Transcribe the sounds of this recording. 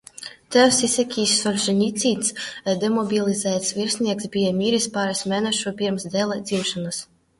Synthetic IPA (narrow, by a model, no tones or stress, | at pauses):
t̪ɛwsisʲɛkʲiːsːɔlʲʒɛnʲit̪sʲiːt̪sd̪ɛmɔbʲilˠʲizæːt̪svʲiɾsʲnʲiɛksbʲijamʲiːɾispaːɾasmʲɛːnɛʃupʲiɾmsd̪ɛlˠad̪z̥ʲimʃanas